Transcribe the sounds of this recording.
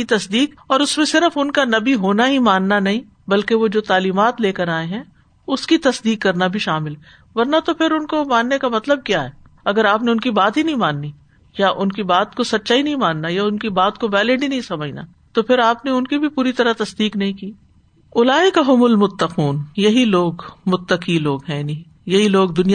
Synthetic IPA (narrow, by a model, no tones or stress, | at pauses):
it̪ɐsd̪iːqɔːɾʊsmẽsɪɾəfʊnkanɐbiɦoːnaɦimãːnːanɐɦĩ | bɐlkeʋod͡ʒoːt̪aːliːmaːt̪leːkɐɾaːeɦɛ̃ | ʊskit̪ɐsd̪iːqːɐɾnabʱiʃaːmɪl | ʋɐɾnat̪opʰɪɾʊnkomãːnːekamɐt̪ləb̚kjaːɦɛː | ɐɡəɾaːpneʊnkibaːt̪ɦinɐɦĩmaːnːi | jaʔʊnkibaːt̪kosɐt̪ːʃaːinɐɦĩmãːnːajaʊnkibaːt̪koʋɛːlɪɖinɐɦĩsɐməd͡ʒna̰ | t̪opʰɪɾaːpneʊnkibʱipuːɾit̪ɐɾat̪ɐsd̪iːqnɐɦĩkiː | ʊlaːɪkaɦʊmʊlmʊt̪ːɐquːnjɐɦiloːɡmʊt̪ːɐqiloːɡɦɛ̃ni | jɐɦiloːɡd̪ʊnij